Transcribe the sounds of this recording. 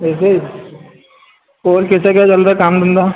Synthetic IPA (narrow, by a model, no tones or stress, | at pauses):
ɛːse | oːɾkɛːsekat͡ʃɐld̪akaːmd̪ənd̪a